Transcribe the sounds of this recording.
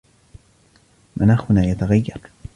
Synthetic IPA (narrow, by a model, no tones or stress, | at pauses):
mʔanaːxʊnaːjat̪aɣajːɑɾˤ